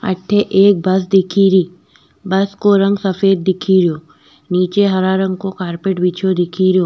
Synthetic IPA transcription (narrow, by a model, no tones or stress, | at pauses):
ɐ̰ʈʰːeʔeːk̚bɐsd̪ɪkʰiɾiː | bɐskoɾɐ̃ŋɡsɐfeːd̪̚ːɪkʰiɾjoː | niːt͡ʃeɦɐɾaːɾə̃ŋɡkokaːɾpeːʈbit͡ʃʰod̪ɪkʰiɾijoː